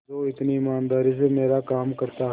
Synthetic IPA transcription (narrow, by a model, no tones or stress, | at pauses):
oːɪt̪niɪmaːnd̪aːɾis̬emeːɾakaːmkɐɾt̪aɦ